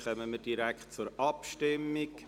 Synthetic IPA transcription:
χœməməd̥iɾækχt̚t͡sʊɾɑpʃtɪmːik

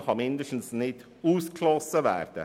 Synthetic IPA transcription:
hɑːmɪnd̪əʂn̩snɪt̪ | uːskʰlɑsəʋæ̰ːɾd̪ə̰

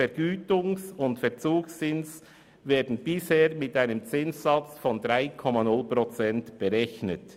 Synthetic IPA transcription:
ɛɾɡ̥yːtʊŋsʊntfɛʁt͡suːksːɪns | vɛːɐdn̩bɪsheːɾmɪtaɪnəmt͡sɪnsːɑt͡sfɔndʁaɪkʰɔmɑnʊlpɾɔt͡sɛntb̥əɾɛçnət

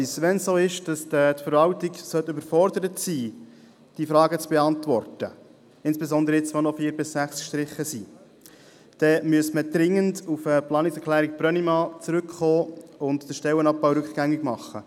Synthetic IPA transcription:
sʋɛnssoːɪʃd̥ɑsdətfəɾʋɑltɪɡsœtːʏbəɾfɔɾdəɾətsiː | d̥ifɾɑːɡət͡sb̥eɑntvɔrtə | ɪnsb̥ezɔnd̪əɾəɪt͡sʋonɔfiːɾbɪsːæχsʃtɾɪχːəsiː | d̥ɛmyəsməd̥ɾɪŋːəndufəplɑːnɪksɛkχlæːɾɪk̚pɾœnimɑːt͡sɾʏkχoːʊndd̥əʃtɛlənɑp̚bɑwɾɵkχɡ̥æŋːɪɡ̥mɑχːə

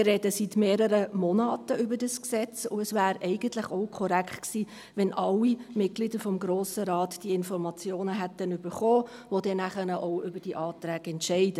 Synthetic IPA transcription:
ɪrɛdəsitmeːɾəɾəmɔnɑːtəʏbədəsksɛt͡sʊ̰ɛsvæːɾɛɪɡ̥əntlɪχoʊkʰɔɾæktksiː | ʋɛnʔɑlːimɪt̚ɡ̥lidəɾfɔmɡɾoːsəɾɑːtd̥iɪnfɔɾmɑt͡sjoːnəɦætənʏbəɾχoː | ʋodɛnæχənəʔoʊʏbəd̥iʔɑːt̪ɾæːɡ̥ɛntʃɛɪd̥ə

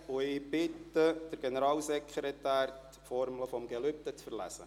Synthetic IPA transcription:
ʊɪb̥ɪtːəd̥əɾɡ̥enəɾɑːlsɛkʰχɾetæːɾt | fɔɾmləfɔmɡɛlʏp̚t̪ət͡sfərlæ̰sə̰

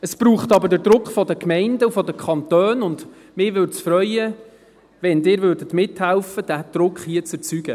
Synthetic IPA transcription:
əsb̥ɾuːχtɑbəɾdədɾʊkχfɔdəkmɛɪndəufɔdəkʰχɑnt̪øːnʊnd̪ | mɪːʋʏɾt͡sfɾœʏə | ʋɛndɪːɾʋøːɾdətmɪthɛlfəd̥æd̥ɾʊkχhiət͡sət͡syɡ̥ə

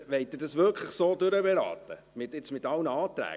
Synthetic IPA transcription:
ʋɛɪt̚d̪ɪːɾdɑsvʋʏɾkʰləχsoːdʉɾəbɛɾɑ̰ːt̪ə | mɪtɪt͡smɪtɑlnəɑːt̪ɾæ̰ː

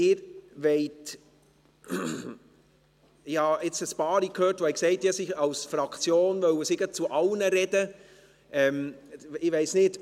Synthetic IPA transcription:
ɪːɾʋɛɪt | hɑɪt͡səspɑːɾikʰhøːtʋoɛkseɪtjɛsɪçɑlsfɾɑkʰt͡sjoːnvœwəsɪɡət͡suʔɑlnəɾɛd̥ə | ʔɛmɪʋeɪsnɪt

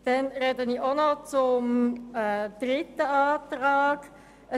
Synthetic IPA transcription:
d̥ɛnɾɛdəniʔonɔt͡sʊmɛd̪̥rɪt̪ːəaːt̪ɾaːɡ̥ | ə

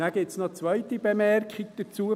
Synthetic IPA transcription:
aɡɪtsnot͡sʋœʏtib̥emɛrkχɪɡ̥d̥̪ət͡suːə

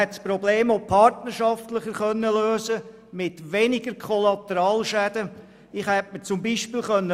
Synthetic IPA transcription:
ɛtspɾɔbleːmopʰɑɾtnəɾʃɑftləχəχœnːəløːzə | mɪtʋenɪɡəɾkʰχɔlɑt̪əɾɑːlʃæd̥̪ə | ɪχhɛtmət͡sʊmbiːʃpiːlχœnːə

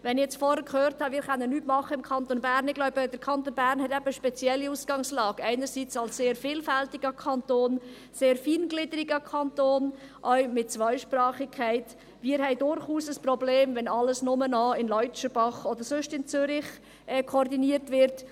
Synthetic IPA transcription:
ʋɛnɪjɛt͡sfɔhəkʰχøːɾthɑmɪːɾχœnːənːyːtmɑχəɪmkʰɑnt̪onbæɾnɪɡlɔʊb̥ədəɾkʰɑnt̪onbæːɾnhɛtɛbəʃpɛt͡siɛlːiuːsɡ̥ɑŋslɑːɡɛɪnəɾsiːt͡sɑlsseːɾfɪːlfæltiɡ̥əkʰɑntoːn | seːɾfiːnɡ̥lɪdəɾɪɡəkʰɑntoːnʔœʊmɪt̚t͡sʋœʏʃprɑːχɪkʰːæɪt | ʋiːəɾhɛɪdʊɾχuːsəsprɔbleːmvɛnɑləsnʊmənɔːɪnlɔʏt͡ʃəb̥ɑχɔdəɾsøʃtɪnt͡sʏɾɪχ | ɛːkʰoːɾdiniːəɾtʋɪɾt

